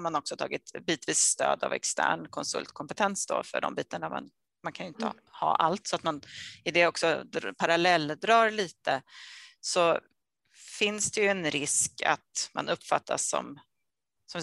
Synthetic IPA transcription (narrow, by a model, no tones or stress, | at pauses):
ɾmanɔksɔt̪ʰɑ̰ːɡɪt̪biːt̪viːsst̪øːd̪a̰vɛ̰kst̪ʰæ̰ːɳkʰɔnsɵ̰lt̪kʰɔmpɛt̪ʰɛnsd̪o̰fœ̰ɖɔ̰mbiːt̪aɳama̰n | mankʰanjʏɪnt̪ə | hɑ̰ːʔalt̪sɔat̪manɪd̪ɛɔksɔd̪pʰaɾalɛlːd̪ɾɑːɾliːt̪ə | sɔ | fɪnsd̪ɛjɵɛnɾɪska̰t̪ma̰nʔɵpːfat̪ʰːa̰sːɔ̰m | sɔm